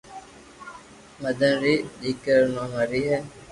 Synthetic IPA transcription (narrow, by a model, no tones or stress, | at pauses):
məd̪ənɾiːɗiːkəɾnãːməɾiːɦɛː